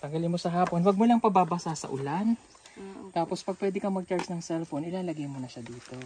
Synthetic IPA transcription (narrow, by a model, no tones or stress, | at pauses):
t̪ɐŋɡɐlɪnmo̞sɐɦaːpo̞nwɐɡ̚molɐŋpɐbaːbɐsasɐ̰ʔʊlan | t̪aːpo̞spɐɡ̚pwɛːd̪ɪkɐmɐɡ̚t͡ʃaɹsnɐŋsɛlfonɪlaːlɐɡɐjmonɐʃad̪iːt̪o̞